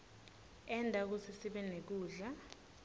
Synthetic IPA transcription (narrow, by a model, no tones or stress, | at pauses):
ɛndʱʼak̬usʰisiɓɛnek̬uːɮa